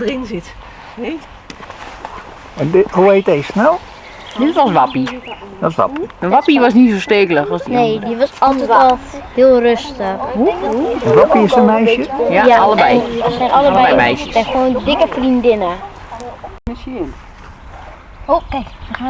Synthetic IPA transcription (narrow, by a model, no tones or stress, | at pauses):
rɪnzɪt | e | ɛndɦuejt̚dɛjsnɛlˠ | dɪtʋɔsʋapidɔsʋa̰piənʋapiʋɔsnisosteːkələxɔsinneːdiʋɔsɔlˠtɛɔlˠhɪːlˠrøstəx | ʋapiɪsəmɛjsəjaɑlˠəbbɛjəsɛjnʔɑləɛɛjmɛjsjəsɛxoːndɪkəfrindɪnə | o